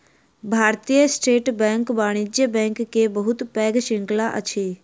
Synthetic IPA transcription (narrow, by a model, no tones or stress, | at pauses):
bʱaːɾt̪ijəsʈeːʈbɛ̃ːŋkbaːɽ̃id͡ʒjəbɛ̃ːŋkːebəɦʊt̪pɛːɡʃɪ̃ŋklaʔə̰t͡ʃʰeː